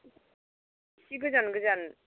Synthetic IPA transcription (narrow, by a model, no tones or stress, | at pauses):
siɡɯzanɡɯzan